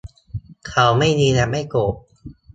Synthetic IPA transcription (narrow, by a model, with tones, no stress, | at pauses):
kʰa˨˦wma˥˩jniː˧nɛ˨˩ma˥˩jkoː˨˩p̚